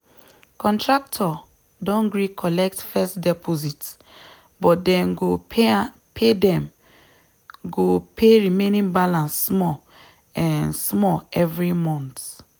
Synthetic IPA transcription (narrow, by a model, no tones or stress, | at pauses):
kɔ̃ntɹak̚tʰɔ | dɔ̃nɡɹikʰɔlɛk̚tfɛstdɛpʰozit | bɔtdɛ̃nɡo | pʰedɛ̃m | ɡopʰeɹimenĩnbalãnsːmɔ | ɛ̃nsmɔlɛvɹimɔ̃nt